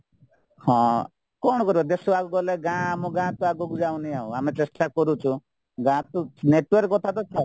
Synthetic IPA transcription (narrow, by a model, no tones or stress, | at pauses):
hɔ̃ | kɔɽɔkɔɾibɔd̪esuaɡuɡɔleɡãamɔɡãt̪uaɡoɡud͡ʒaũnijaṵ̃amet͡ʃesʈakɔɾut͡ʃʰu | ɡãt̪uneʈwɔɾkːɔt̪ʰat̪ɔt͡ʃʰa